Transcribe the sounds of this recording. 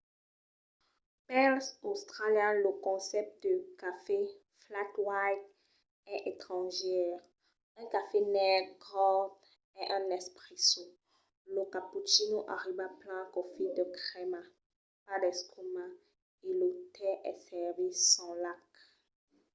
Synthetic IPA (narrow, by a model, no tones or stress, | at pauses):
pɛlsost̪χaljɛ̃ləkɔ̃sɛp̚t̪̚d̪əkafe | flat̪wajt | ɛʔet̪χɑ̃ʒɛʁ | ɛ̃kafenɛɡʁɔ | ɛʔɛ̃nɛspχiso | ləkaput͡ʃinoʔa̰ʁibaplɛ̃kɔfid̪əkχema | pad̪ɛskuma | elot̪ɛʔɛ̰sɛʁvisɑ̃lak